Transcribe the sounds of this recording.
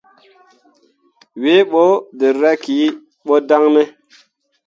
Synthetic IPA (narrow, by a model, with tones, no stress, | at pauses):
we˦ɓo˦de˨ɾɛ˦ki˨˦ | ɓo˦da˦ŋne˦